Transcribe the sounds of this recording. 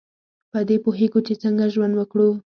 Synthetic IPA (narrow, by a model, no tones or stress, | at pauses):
pəd̪epoɦeɡot͡ʃet͡səŋɡaʒwand̪wəkɽu